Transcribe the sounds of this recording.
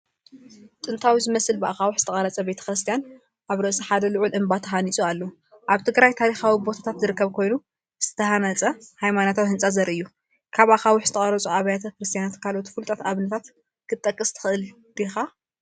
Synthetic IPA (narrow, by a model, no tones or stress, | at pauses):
t̪ʼɨnt̪ʰawizɨmɐsɨlbɨʔa̰xawʊħzɨ̥t̪ʰɐkʼɐlɐt͡sʼɐbe̞t̪ʰɐ̥kɾɨst̪ʰijan | ʔaβɾɐʔsɐħad̪ɐlʊʕʊlʔɨmbat̪ʰɐɦanisʼualːo | ʔaβt̪ʰɨɡɾajt̪ʰaɾixawibo̞t̪ʰḁt̪ʰat̪zɨɾɨkːɐβkʰo̞jnu | z̥ɨ̥t̪ʰɐhanɐt͡sʼɐhajmanot̪ʰawihɨnt͡sʼazɐɾʔɨjːu | kʰaβaxawʊħzɨt̪ʰɐχʼɐɾɐt͡sʼuaβɐjat̪ʰakɾɨst̪ʰijanat̪kʰalot̪ʰu̥fɨlt̪ʼɐt̪aβnɐt̪ʰat̪ | kʰɨt̪ʼːɐkʼːɨst̪ʰɨ̥xɨʔɨl | d̪̥ixa